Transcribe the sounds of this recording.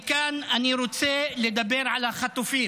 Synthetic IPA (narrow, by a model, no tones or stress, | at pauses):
kaːnʔaniɾut̪seːlɪd̪abiːɾʕalaxɑt̪ˤːufiː